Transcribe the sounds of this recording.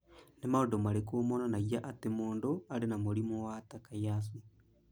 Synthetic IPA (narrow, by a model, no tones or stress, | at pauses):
nemaodomaɾekoːmɔnanaɣjaʔatemoːndoaɾenamoɾimowatakajasi